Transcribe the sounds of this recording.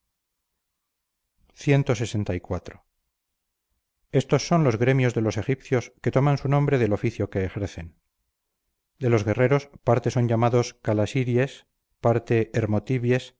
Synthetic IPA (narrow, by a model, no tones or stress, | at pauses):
θje̞nt̪o̞se̞se̞nt̪aikwat̪ɾo | e̞st̪o̞sːo̞nlo̞zɣɾe̞mjo̞zðe̞lo̞se̞xipθjo̞ske̞t̪o̞mansunõmbɾe̞ðe̞lo̞fiθjo̞ke̞ːxeɾθe̞n | d̪e̞lo̞zɣe̞re̞ɾo̞spaɾt̪e̞so̞ɲʝamaðo̞skalasiɾje̞s | paɾt̪e̞ːɾmot̪iβje̞s